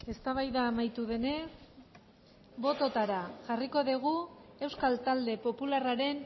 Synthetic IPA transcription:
e̞st̪aβajðaːmajt̪uðe̞ne̞s | bo̞t̪o̞t̪aɾaʝariko̞ðeɣ̞ue̞wskalt̪ald̪e̞po̞pularaɾe̞n

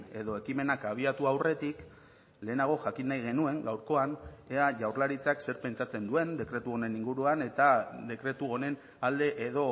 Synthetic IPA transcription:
e̞ðo̞e̞kime̞nakaβ̞iat̪uawre̞t̪ik | le̞ːnaɣ̞o̞ʝakinːajɣ̞e̞nue̞ŋɡawɾko̞aneaʝawrlaɾit͡sakse̞ɾpe̞nt͡ʃat͡se̞nd̪ue̞nd̪e̞kɾe̞t̪uo̞ne̞niŋɡuɾuane̞t̪ad̪e̞kɾe̞t̪uo̞ne̞n | ald̪e̞ʔeðo̞

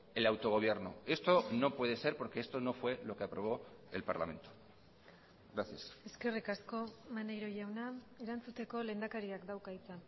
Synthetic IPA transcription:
e̞lawt̪o̞ɣ̞o̞β̞je̞ɾnoe̞st̪o̞no̞pwe̞ð̞ese̞ɾpo̞ɾke̞est̪o̞no̞fwe̞lo̞ke̞apɾo̞β̞o̞e̞̰lpa̰ɾla̰mẽ̞̰nt̪o̥ | ɡɾaθjase̞ske̞rikasko̞manejɾoʝawna | eɾant͡sut̪e̞ko̞le̞nd̪akaɾiakd̪awkajt͡san

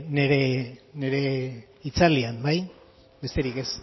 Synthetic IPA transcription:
ne̞ɾe̞ne̞ɾe̞ | it͡saliambaj | be̞st̪e̞ɾike̞s

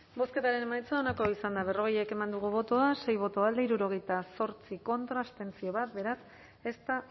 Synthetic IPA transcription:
bo̞ske̞t̪aɾe̞ne̞majt͡saonako̞isand̪aβ̞e̞ro̞ɣe̞je̞ke̞mand̪uɣ̞uβ̞o̞t̪oase̞jβo̞t̪oald̪eiɾuɾo̞ɣ̞e̞jt̪aso̞ɾt͡siko̞nt̪ɾast̪e̞nt͡sio̞β̞at̪be̞ɾas | e̞st̪a

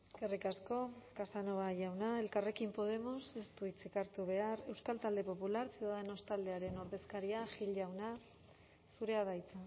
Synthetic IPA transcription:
kerikasko̞kasanoβaʝawnae̞lkare̞kimpo̞ð̞e̞mose̞st̪uit͡sekaɾt̪uβ̞e̞are̞wskalt̪ald̪e̞po̞pulaɾsiðaðeno̞st̪ald̪e̞aɾe̞noɾβe̞skaɾiaʝiʎʝawna | suɾe̞aðajt͡sa

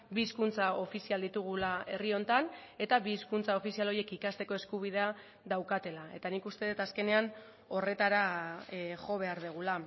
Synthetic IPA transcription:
biːskunt͡sao̞fisiald̪it̪uɣ̞ulae̞rio̞nt̪ane̞t̪aβiːskunt͡sao̞fisialoje̞kikast̪e̞ko̞e̞skuβ̞ið̞e̞a | ðawkat̪e̞lae̞t̪anikust̪e̞ðet̪aske̞ne̞an | o̞re̞t̪aɾa | ʝo̞β̞e̞aɾðeɣ̞ula

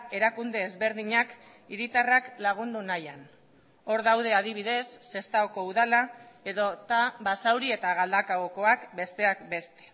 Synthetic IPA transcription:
e̞ɾakund̪e̞ːzβe̞ɾð̞iɲak | iɾit̪araklaɣ̞und̪unajan | o̞ɾðawð̞e̞að̞iβ̞iðe̞sːe̞st̪aoko̞uðalae̞ðo̞t̪aβasawɾie̞t̪aɣ̞ald̪akaoko̞akbe̞st̪e̞akbe̞st̪e̥

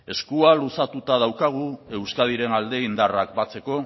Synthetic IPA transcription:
e̞skualusat̪ut̪að̞awkaɣ̞ue̞wskað̞iɾe̞nald̪e̞ind̪arak̚bat͡se̞ko̞

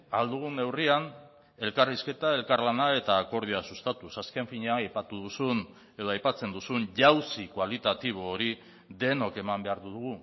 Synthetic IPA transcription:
ald̪uɣ̞une̞wrian | e̞lkariske̞t̪ae̞lkaɾlanae̞t̪aːko̞ɾð̞ioasust̪at̪usaske̞ɱfiɲeaajpat̪uðusun | e̞ðoajpat͡se̞nd̪usuɲʎawsikwalit̪at̪iβ̞o̞ːɾi | ðe̞no̞ke̞mambe̞aɾðuðuɣ̞u

